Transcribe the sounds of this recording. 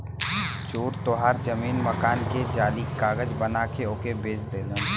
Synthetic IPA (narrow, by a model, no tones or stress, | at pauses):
t͡ʃuːɾt̪oɦaːɾd͡ʒəmiːnməkaːnked͡ʒaːlikaːɡəd͡ʒbənakeoːkebeːt͡ʃd̪eːlẽ